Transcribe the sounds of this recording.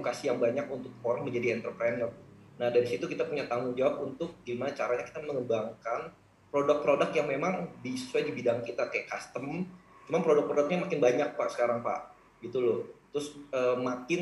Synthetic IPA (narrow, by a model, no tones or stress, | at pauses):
ukasijaŋbaɲak̚unt̪ʊk̚foɾanməɲd͡ʒadiɛnt̪ərpɾanɔrnahdaɾisit̪ukit̪apuɲat̪aŋuŋd͡ʒawap̚unt̪ʊk̚ɡimanat͡ʃaɾaɲaki̥t̪aməŋəbaŋkan | pɾodak̚pɾodakjaŋmemaŋbisuwadibidaŋkit̪akajaʔkast̪əmt͡ʃumanpɾodak̚pɾodak̚ɲamakɪnbaɲak̚paʔsə̥kaɾaŋpa̰ʔ | ɡit̪ulʊht̪ɾʊsəːmakɪn